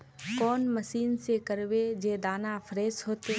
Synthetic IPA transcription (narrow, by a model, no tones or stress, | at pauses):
kɔːnməʃiːnsekəɾʋed͡ʒeːd̪aːnafʰɾeːsɦoːt̪e